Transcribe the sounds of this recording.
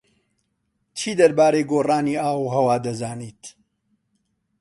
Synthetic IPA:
t͡ʃʰiːd̪ɐɾbaːɾejɡoːraːniːaːwuɦɐwaːd̪ɐzaːniːt̪

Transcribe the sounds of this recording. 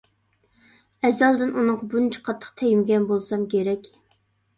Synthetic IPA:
ɛzɑlˠd̪ɪnunɨɴqɑbunt͡ʃʰi̥qʰɑt̪ʰːə̥qt̪ʰɛjimɡʲɛnbolˠsɑmkʲeɾɛkʲ

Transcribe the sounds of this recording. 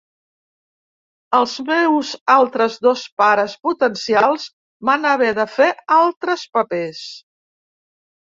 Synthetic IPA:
əlˠzmewzalˠt̪ɾəzðospaɾəsput̪ənsialˠz | βanəβɛðəfealˠt̪ɾəspəpes

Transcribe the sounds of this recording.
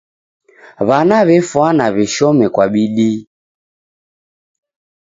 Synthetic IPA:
βanaβɛfwanaβɛʃɔmɛkwaɓiɗi

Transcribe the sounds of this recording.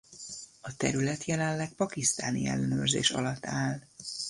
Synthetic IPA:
ɒt̪ɛɾylɛt̪jɛlɛnlɛk̚pɒkist̪aːnḭɛ̰lːɛnøːrzḛːʃɒ̰lɒt̪ːaːl

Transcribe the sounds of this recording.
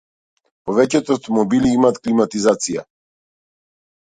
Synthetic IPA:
pɔvɛcɛt̪ɔft̪ɔmɔbiliimaːt̪klimat̪izat̪sija̰

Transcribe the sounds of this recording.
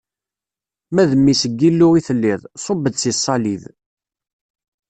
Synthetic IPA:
mæðəmːisəɡːilːʊiθəlːiðˤsˤobːəd̪sisˤːɑlið

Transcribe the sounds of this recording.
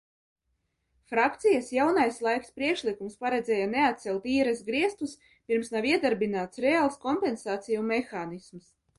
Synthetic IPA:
fɾakt̪sijasjawnajslˠajkspɾiɛkʃlˠikumspaɾɛd̪zʲɛːjanɛat̪sɛlˠt̪iːɾɛsɡɾiɛst̪us | pʲiɾmsnaviɛd̪aɾbinaːt̪sɾeaːlˠskɔmpɛnsaːt̪sijumexaːnisms

